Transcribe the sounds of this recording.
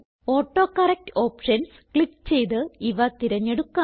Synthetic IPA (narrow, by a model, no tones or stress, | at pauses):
oːʈːo̞ːkːɐrek̚to̞ːpʂɐns | kɭikːt͡ɕe̞jt̪ɨiʋɐt̪iɾɐɲːeɽukːa